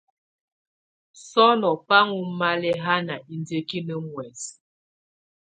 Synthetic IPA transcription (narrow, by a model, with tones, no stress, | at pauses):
sɔ˦nɔ˨pa˦ŋu˦ma˦lɛ˦ɦa˦na˨i˨nde˦ki˦nə˨ŋwɛ˨s